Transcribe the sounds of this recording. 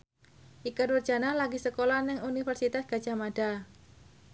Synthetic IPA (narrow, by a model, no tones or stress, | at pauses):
ʔikənwərd͡ʒ̥analaɡisəkolanɪŋunifərsit̪asɡ̥ḁd͡ʒ̥amad̥a